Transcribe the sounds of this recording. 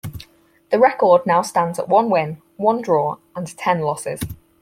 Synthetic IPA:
ðəɹɛkɔːdⁿnaʊstãndz̥ə̰ʔwʌ̃nwɪ̃n | wʌ̃ndɹɔːɹə̃ntʰɛ̃nlɒsɪ̰z̥

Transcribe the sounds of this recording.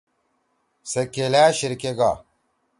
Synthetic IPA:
sekelaːɕiɾkeɡa̰

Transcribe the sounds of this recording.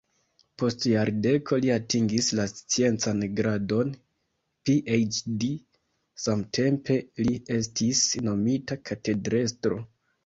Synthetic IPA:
po̞stjaɾde̞kʰo̞liatiŋɡislast͡sie̞nt͡sanɡɾado̞n | piʔejt͡ʃdi | samtʰe̞mpe̞lie̞stisno̞mitakʰate̞dɾe̞stɾo̞̰

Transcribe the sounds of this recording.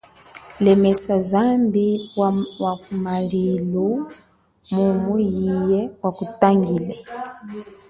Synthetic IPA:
lɛmɛsazambiwwaumalilu | mumujijɛwakutaŋɡilɛ

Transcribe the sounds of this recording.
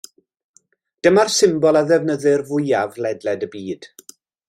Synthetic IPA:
d̥əmarsɪmbɔlˠaðɛvnəðɨrvʊjavlɛdlɛdəbiːd̥

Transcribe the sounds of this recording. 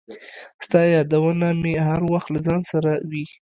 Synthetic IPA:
st̪ɑjɑd̪awənamehaɾwaxt̪lazɑnsaɾawi

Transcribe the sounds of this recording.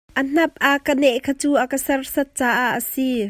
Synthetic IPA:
ʔən̥ɐp̚ʔɐkːənɛʔkʰat͡suːʔəkəsɐrsɐt̪̚t͡saːʔaʔːəsi

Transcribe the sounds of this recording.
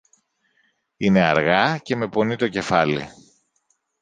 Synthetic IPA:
ine̞ɐɾɣɐce̞me̞po̞nit̪o̞ce̞fɐlḭ

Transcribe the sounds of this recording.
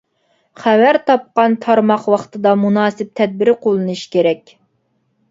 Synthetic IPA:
χæwæɾt̪ʰɑp̚qɑnt̪ʰɑɾmɑχwɑχt̪ʰɨd̪ɑmunɑːsɨp̚t̪ʰɛd̪̚bɪɾɪqʰolˠɨnɨʃkʲʰeɾɛkʲ

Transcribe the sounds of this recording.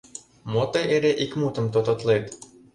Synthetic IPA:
mot̪ɤʔeɾeʔikmut̪ə̆mt̪ot̪ŏt̪let̪

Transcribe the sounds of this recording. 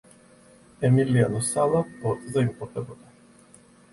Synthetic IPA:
ɛmilianɔsalˠaɔt̪zaimpɔt̪ɛbɔt̪ḁ

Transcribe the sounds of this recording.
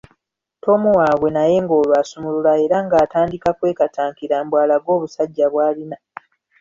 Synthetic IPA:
tʰo̞muwaːɡwe̞naje̞ːŋɡo̞ːlwaːsumululae̞ɾaŋɡaːtaːndikakwe̞ːkatʰaːŋkiɾaːmbwaːlaɡwo̞ːβusaɟːaβwaːlina

